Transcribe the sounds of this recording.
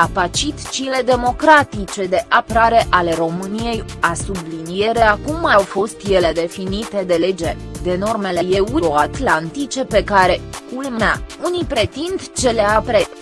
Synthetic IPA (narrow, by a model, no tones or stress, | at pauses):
apat͡ʃit̪t͡ʃile̞d̪e̞mo̞kɾat̪it͡ʃe̞d̪e̞ʔapɾaɾe̞ʔale̞ɾo̞mɨnije̞jasublinije̞ɾe̞akumawfo̞st̪je̞le̞d̪e̞finit̪e̞d̪e̞le̞d͡ʒe̞ | d̪e̞no̞rme̞le̞je̞uɾo̞at̪lant̪it͡ʃe̞pe̞kaɾe̞kulmma̰unipɾe̞t̪ind̪t͡ʃe̞leapɾe̞